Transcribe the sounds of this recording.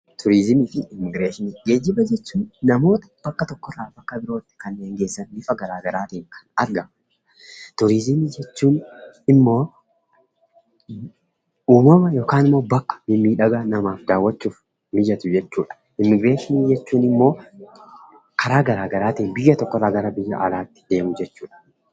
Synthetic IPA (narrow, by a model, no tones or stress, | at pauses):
t̪ʰʊɾizɪmiːfɪɪmːɪɡɾeːʃɪniːɡeːd͡ʒːɪbɐd͡ʒɛt͡ʃːuːnːɐmo̞ːt̪ɐ̥b̥ɐkːɐt̪ɔkːɔraːbɐkːɐbɪɾo̞ːt̪ːɪ̥kɐnːeːŋɡe̞ːsːɐnlɪfɐɡɐɾaːɡɐɾaːt̪iːŋkʰɐ̥nɐɾɡɐ | t̪ʊɾɪzɪmid͡ʒɛt͡ʃːuːnɪmːo̞ː | uːmɐmɐjo̞ːkaːnɪmːo̞ːbɐkːɐ̥bɪmːiːᶑɐɡanɐmaːfd̪aːwːɐt͡ʃːuːf | mɪd͡ʒɐt̪ʊd͡ʒɛt͡ʃːuːᶑɐ̥ | ɪmːɪbe̞ːʃɪniːd͡ʒɛt͡ʃːuːnɪmːo̞ː | kʰɐɾaːɡɐɾaːɡɐɾaːt̪iːnbɪjːɐt̪ɔkːɔraːɡɐɾɐbɪjːɐ̰ʔɐlaːt̪ːɪ̥d̪̥e̞ːmʊd͡ʒɛt͡ʃːuːᶑɐ̥